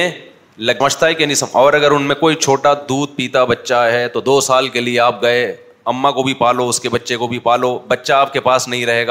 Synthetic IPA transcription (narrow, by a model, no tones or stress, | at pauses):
ẽ | lɐməd͡ʒt̪aɦɛkenĩsɐmɔːɾɐɡəɾʊnmẽkoːit͡ʃʰoːʈad̪uːd̪̚piːt̪abɐtːʃaɦɛt̪od̪oːsaːlkelieaːp̚ɡɐe | ɐmːakobʱipaːloʊskebɐtːʃekobʱipaːlobɐtːʃaːp̚kepaːsnɐɦĩɾɐɦeːɡaː